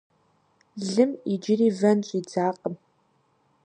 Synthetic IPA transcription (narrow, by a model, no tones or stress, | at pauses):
ɮɨmid͡ʒɪriːvɐnt͡ʃʷʼid͡zaːqʼəm